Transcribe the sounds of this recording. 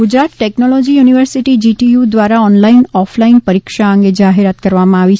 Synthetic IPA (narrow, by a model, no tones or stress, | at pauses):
ɡʊd͡ʒɾat̪ʈɛknolɔd͡ʒijuniʋəɾsiʈid͡ʒiʈijud̪ʋaɾaɔnlainɔflainpəɾikʃaəŋɡed͡ʒaɦeɾat̪kəɾʋamãaʋit͡ʃʰ